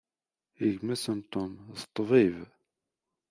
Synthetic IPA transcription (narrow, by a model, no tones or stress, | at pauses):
əʝmæsənt̪omðə̥t̪ˤːviv